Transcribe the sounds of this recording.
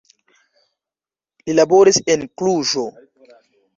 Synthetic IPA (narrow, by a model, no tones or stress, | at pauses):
lilabo̞ɾisenkluʒo̞